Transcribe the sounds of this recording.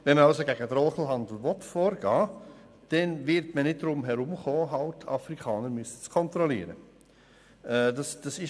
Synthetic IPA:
ʋɛnməɑlsoɡæɡədɾɔlχl̩ɦɑnd̪l̩ʋɔtfoːɾɡ̥ɑː | d̥ɛnvɪɾtmənɪt̚dɾʊmɦɛɾʊmχoːɦɑltʰɑ̰fɾikʰɑːnəɾmysət͡skʰɔnt̪ɾɔliːɾə | ɛdɑsd̥ɑsɪʃ

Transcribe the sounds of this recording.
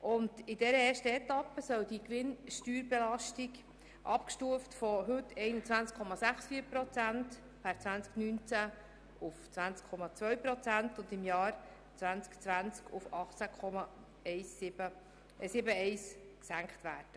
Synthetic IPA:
ʔʊndɪdɛɾəɛːʃtəɛtɑpːəsœldikʋɪnʃtyːɾbɛlɑʃtiɡ | ʔɑpkʃtuəftfɔɦɵtʰːɛɪnət͡svænt͡skʰχɔmɑsæχsfiːəɾpɾɔt͡sænt | pʰɛɾt͡svænt͡sknynt͡sæ | ʊft͡sʋænt͡skʰːɔmɑt͡svœɥpɾɔt͡sæntʊndɪmjɑːɾ | t͡sʋænt͡skt͡svænt͡skʰufɑχt͡sækʰɔmɑ | ɛɪsɪbə | sɪbəɛɪsksæŋkχtvæːrd̥ə

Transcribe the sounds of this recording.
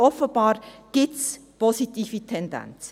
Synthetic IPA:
ɔfəb̥ɑːɾɡ̥ɪspʰɔsitiːfitʰɛndɛ̰nt͡s

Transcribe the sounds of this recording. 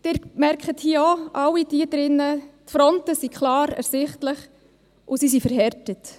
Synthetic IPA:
d̥ɪːɾmɛɾkχəthiːoʔɑwːidiːdɾɪnːətfɾɔntəsikʰlɑːɾɛ̰ɾsɪχtləχ | ʔʊsisifəɾɦɛɾtət

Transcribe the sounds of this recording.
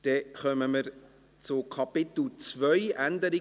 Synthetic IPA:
d̥ɛχœməməɾ | t͡sʊkʰɑpɪt̪l̩t͡svœʏʔænd̪əɾi

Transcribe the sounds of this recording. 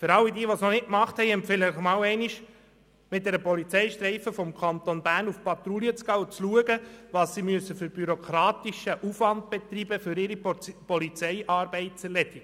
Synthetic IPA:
fʏɾɑlːidiːʋɔsnɔnɪt̚kmɑχthɛɪɛmpfɛləəχmɑːwɛɪniʃ | mɪt̚d̪ɛɾəpɔlit͡sɛɪʃtɾɛɪfəfɔmkʰɑnt̪onbæːɾnufpɑt̪ɾuliət͡sɡɑwt͡sluəɡəʋɑːsːimyəsːəfʏɾb̥yɾokʰɾɑːt̪iʃəʔufʋɑnd̪̚b̥ɛt̪ribəfʏɾɪɾipɔlit͡sɛɪʔɑːɾbɛɪt̚t͡sɛɾlɛdiɡ

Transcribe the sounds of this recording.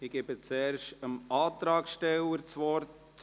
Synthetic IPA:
ɪɡ̥ebət͡sɛːɾʃəmɑːt̪ɾɑːkʃtɛwəɾt͡sʋɔɾt

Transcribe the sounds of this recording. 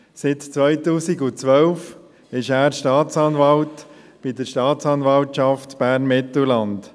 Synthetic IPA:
sɪt̪t͡sʋœʏt̪uːsiɡʊt͡sʋœlf | ɪʃæːɾʃtɑːtt͡sɑnvɑlt | b̥id̪əɾʃtɑːtt͡sɑnvɑltʃɑftb̥æːɾnmɪt̪əlɑnd

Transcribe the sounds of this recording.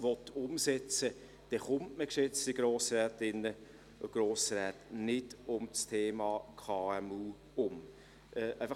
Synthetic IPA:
ʋɔtʊmsɛt͡sə | d̥ɛχʊmtməkʃɛt͡stiɡ̥ɾoːsɾɛːtɪnːə | oɡ̥roːsɾɛːtnɪd̥ʊmt͡stʰeːmɑːkʰɑːɛmuː | ʊm | ʔɛːʔæɪfɑ

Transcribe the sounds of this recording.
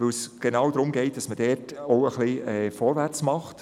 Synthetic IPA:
vɵlsɡ̥enɑːwdɾʊmɡɛɪt̚d̥ɑsməd̥ɛːtoʊəχliɛːfɔːɾvæɾt͡smɑχt

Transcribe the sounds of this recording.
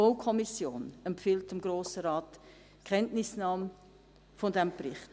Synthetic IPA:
okʰɔmisjoːnɛmfɪlt̚əmɡ̥ɾoːsəɾɑːt | kʰɛntnɪsnɑːm | fɔndɛmprɪχt

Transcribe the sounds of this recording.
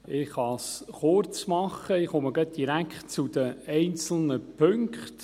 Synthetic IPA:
ɪχɑsχʊrt͡smɑχːəɪχoməɡœt̪̚d̥iɾækχtt͡sud̥̪əɛɪnt͡sl̩nəpʰɵŋkχt

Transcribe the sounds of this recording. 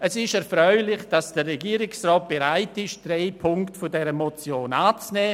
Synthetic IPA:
ɛsɪʃɛɾfɾœʏlɪχd̥asd̥əɾːɛɡiːɾɪksrɔːt̚b̥eɾaɪtɪʃd̥ɾeɪpʰʊŋktfodɛɾəmot͡sjoːnaːt͡snɛː

